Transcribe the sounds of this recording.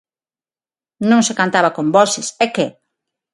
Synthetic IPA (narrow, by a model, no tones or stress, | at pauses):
nõŋsekant̪aβakombɔsɪsɛke